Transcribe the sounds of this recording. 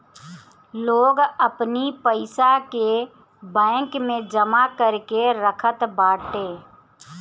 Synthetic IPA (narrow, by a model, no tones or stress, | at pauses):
loːɡəpnipəɪsake | bɛ̃ːkmẽd͡ʒəmakəɾkeɾəkʰət̪baːʈeː